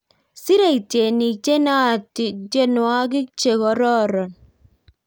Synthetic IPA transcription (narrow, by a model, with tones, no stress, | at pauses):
si˦ɾe˦˨i˨te˨ni˨t͡ʃe˦na˦˨tɪ˨d͡ʒe˦nwa˦k̬ɪ˦kt͡ʃe˨kɔ˨ɾɔ˦ɾɔ˨n